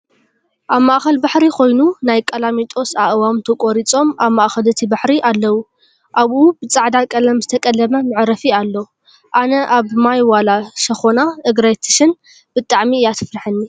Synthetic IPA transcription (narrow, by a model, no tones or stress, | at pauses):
ʔaβmaʔxɐlbaħɾikʰo̞jnunajkʼɐlamit̪ʼo̞saʔɨwamt̪ʰɐkʼoɾit͡sʼo̞maβmaʔxɐlɨt̪ʰibaħɾiʔalːɐwu | ʔaβʔubɨt͡sʼaʕd̪akʼɐlɐmzɨt̪ʰɐkʼɐlːɐmɐmɨʕɾɐfialːɐ | ʔanɐʔaβmajwalaʃɐxonaʔɨɡɾajt̪ʰɨ̥ʃɨn | b̥ɨt̪ʼaʕmijat̪ʰɨfɾaħɨnːi